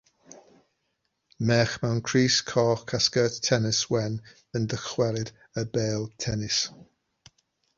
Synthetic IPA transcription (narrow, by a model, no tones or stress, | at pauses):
mɛːχmɛwnkʰɹ̥iːskʰɔːkʰaskəːttʰːɛnɪswɛn | əndəχwɛɾɪd | əbeːlˠtʰɛnɪs